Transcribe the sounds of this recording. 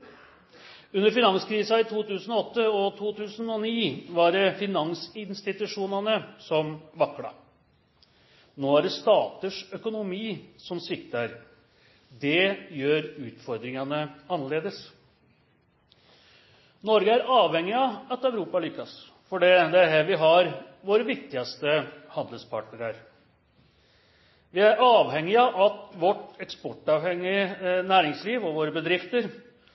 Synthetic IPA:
ʉnːəɾfɪnɑŋskɾiːsɑɪt̪ʰuːt̪ʉːsən̩ɔɔt̪ːəɔt̪ʰuːt̪ʰʉːsənɔniːʋɑɖɛfɪnɑŋsɪnst̪ɪt̪ʉʂuːnɑnəsɔmʋɑkːɽɑ̰ | noːæɖɛst̪ɑːt̪əʂœkʊnʊmiːsɔmsɪkt̪əɾ | d̪ɛjøːɾʉːt̪fɔɾd̪ɾɪŋɑnəɑnːɑɭeːd̪əs | nɔɾɡəæɾɑːʋhɛŋːɪɑɑt̪æʉɾuːpɑlʏkːɑs | fɔɖɛd̪ɛæɦæʋɪɦɑɾ | ʋoːɾəʋɪk̚t̪ɪɑst̪əhɑnd̪əlspʰɑʈɳəɾəɾ | ʋɪæɾɑːʋhɛŋːɪɑʔɑt̪ʋɔʈɛkspɔʈːɑʋhɛŋːɪənæːɾɪŋsliːʋɔʋoːɾəbəd̪ɾɪft̪əɾ

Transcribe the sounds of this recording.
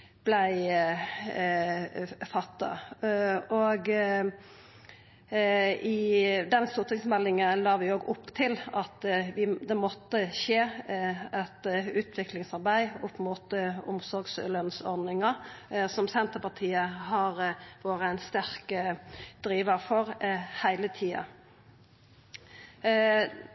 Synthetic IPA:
b̥læɪ | fɑt̪ːɑ̰ | oɡ | ɪd̪ɛnst̪uːɾt̪ʰɪŋsmɛlːɪŋəlɑːʋɪoːɡʊpːt̪ʰɪlɑt̪ʋɪd̪ɛmɔt̪ːəʃeː | ɛt̪ʉːt̪ʰʋɪklɪŋsɑɾbæɪʊpmuːt̪ʊ̰msɔɾɡslœnsɔɾd̪nɪŋəsɔmsɛnt̪əpɑt̪ʰiːəhɑɾʋoːɾəæɪnst̪æɾkəd̪̥ɾiːʋəfɔʁhæɪlət̪ʰiːɑ̰

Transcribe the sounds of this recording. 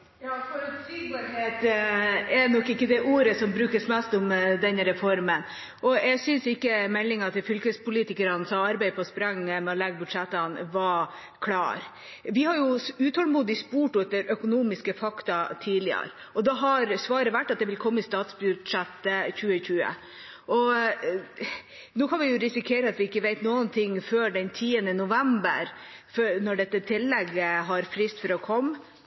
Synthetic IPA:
jɑfɔɾː | ɾheːt̪ | ɛnɔkːɪkːəd̪ɛʔuːɾəsɔmbɾʉːkəsmɛst̪ʊmd̪ɛnɾɛfɔɾmən | ʔɔɛɡsʏnsɪkːəmɛlːɪŋɑt̪ʰɪlfʏlkəspʊliːt̪ɪkəɾɑnsɑɑɾbɛɪpʰɔspɾɑŋːəmɛɔlɛɡːəbʉd̪ʂɛt̪ːɑnʋɑ | kʰlɑ̰ːɾ | ʋɪhɑɾjʊʉːt̪hɔlmuːd̪ɪspuːʈʊɛt̪ːəɾœkʊnuːmɪskəfɑkt̪ɑt̪ʰiːlɪə̰ɾ | ɔd̪ɑɦɑɾsʋɑːɾəʋæʈːɑt̪̚d̪ɛʋɪlkʰɔmːəɪst̪ɑːt̪sbʉd̪ʂɛt̪ːəçʉːəçʉːə̰ | ʔɔ | nuːkɑnʋɪjʊɾɪsɪkʰeːɾəɑt̪ʋɪɪkːəʋeɪt̪nuːənt̪ʰɪŋːføːɖɛnt̪ʰiːənənʊʋɛmbə̰ɾfnɔɖɛt̪ːət̪ʰɪlːɛɡːəɦɑɾfɾɪst̪fɔɾɔkʰɔmː

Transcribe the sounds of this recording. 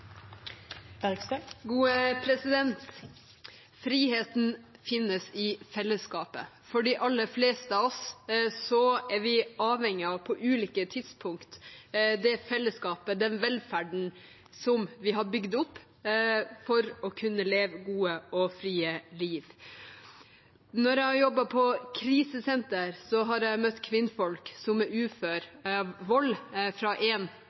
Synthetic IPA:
ɡuːəpʰɾɛsɪd̪ɛnt̪ | fɾiːheːt̪n̩fɪnːəsɪfɛlːəskɑːpə̰ | fɔɖiːʔɑlːəfleːst̪əɑɔssɔɛɾʋɪɑːʋhɛŋːɪɑʋpʰɔʔʉːliːkət̪ʰɪd̪spʰʊŋkt̪d̪ɛfɛlːəskɑːpəd̪ɛnʋɛlfæɖɳ̩ | sɔmʋɪɦɑɾbʏɡd̪ʊpː | fɔɾɔkʰʉnːəleːʋəɡuːəɔfɾiːəliːʋ | nɔɾjɛhɑɾjɔbːɑpʰɔkʰɾiːsəsɛnt̪əɾsɔɦɑɾjæɪmœt̪ːkʰʋɪnːfɔlksɔmɛʉːføːɾʋɔlːfɾɑʔɛːn

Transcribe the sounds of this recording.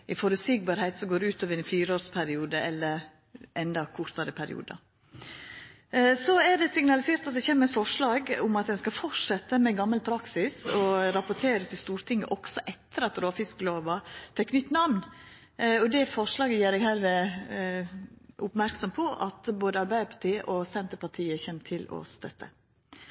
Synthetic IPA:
ʔɪfɔɾʉsɪɡ̚bɑːɾhæɪt̪sɔmɡoːɾɛʉːt̪ʰoːʋəɾɛnfiːɾoːɾspʰæɾɪuːd̪əʔɛlːəɾ | ʔɛnd̪ɑkʰʊɾt̪ɑɾəpʰæɾɪ̰ṵːd̪ɑ̰ | sɔæɖɛsɪŋnɑlɪseːɾt̪ɑt̪̚d̪ɛçeːməɾɛt̪fɔʂɭɑːɡʊmɑt̪̚d̪ɛnskɑfɔʂɛt̪ːəmɛɡɑmːəlpʰɾɑksɪsɔɾɑpʊʈ̪ʰeːɾət̪ʰɪlst̪uːɾt̪ɪŋːə̰ʔɔksɔʔɛt̪ːəɾɑt̪ɾoːfɪskəloːʋɑt̪ʰɛkːnʏt̪ːnɑʋn | ɔd̪ɛfɔʂɭɑːɡəjæːɾɛɡhɛlʋə | ʔʊpmæɾksɔmpʰɔʔɑt̪boːd̪əɑɾbæɪd̪əɾpʰɑ̥ʈʰiːəʔɔsɛnt̪əɾpɑʈʰiːəçɛnːt̪ʰɪlɔ̰st̪œt̪ʰːə̰

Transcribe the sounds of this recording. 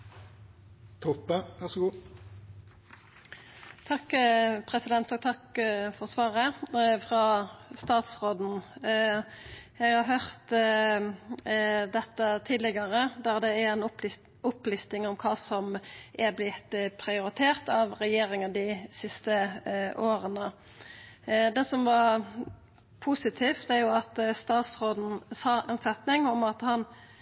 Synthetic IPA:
t̪ʰɔpːəʋæʁsɔɡuː | t̪ʰɑkːpʰʁɛsɪd̪ɛnt̪ɔːɡ̚t̪ʰɑkfɔʁsʋɑːʁəfʁɑst̪ɑːt̪sʁoːd̪n̩ | ɛɡhɑɦœʁt̪ | d̪ɛt̪ːət̪ʰiːd̪lɪɡɑʁəd̪ɛʁd̪ɛæɾɛnʊp | ʊplist̪ɪŋɔmkʰɑːsɔmʔæblɪt̪pʰʁɪʊɾɪt̪ʰeːʁt̪ɑʋʁɛjeːʁɪŋəd̪ɪsɪst̪əʔoːʁənə | d̪ɛːsɔmʋɑɾ | pʰusɪt̪ʰiːft̪æɾjʊɑt̪st̪ɑːt̪sʁoːd̪n̩sɑːɛnsɛt̪nɪŋɔmɑt̪hɑn

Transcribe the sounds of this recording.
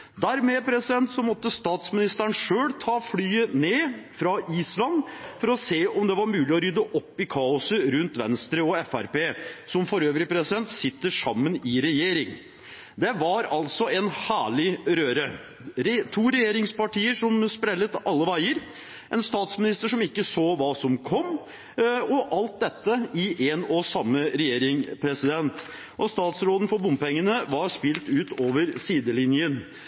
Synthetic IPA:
d̪æɾmɛpʰɾɛsɪd̪ɛnt̪sɔmɔt̪ːəst̪ɑːt̪smɪnɪst̪əɳʂøːlt̪ʰɑːflyːəneːfɾɑʔiːslɑnfɔɾɔseːʔɔmd̪ɛʋɑɾmʉːlɪɔɾʏd̪əʔɔpːɪkʰɑːʊsəɾʉnt̪ʋɛnst̪ɾəɔɛfæ̰ɾpeːsɔmfɔɾøːʋɾəpʰɾɛsɪd̪ɛnt̪sɪt̪ːəʂɑmːənɪɾɛjeːɾɪŋ | d̪ɛʋɑɾɑlsɔɛnhæːɭɪɾøːɾə | ɾt̪ʰuːɾɛjeːɾɪŋspɑʈiːəʂɔmspɾɛlːət̪ʔɑlːəʋæɪəɾ | ʔɛnst̪ɑːt̪smɪnɪst̪əʂɔmɪkːəsoːʋɑːsɔmkʰɔmː | ɔʔɑlt̪̚d̪ɛt̪ːəɪʔeːnɔsɑmːəɾɛjeːɾɪŋpʰɾɛsɪd̪ɛnt̪ | ʔɔst̪ɑːt̪sɾoːd̪ən̩fɔbʊmpɛŋːənəʋɑɾspɪlt̪ʉːt̪oːʋəɾsiːd̪əlɪnjən

